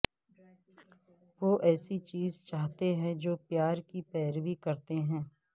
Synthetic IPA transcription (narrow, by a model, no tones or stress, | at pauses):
ʋoːʔɛːsit͡ʃiːzt͡ʃaːɦt̪eɦɛ̃d͡ʒoːpjaːɾkipɛːɾʋikɐɾt̪eɦɛ̃ː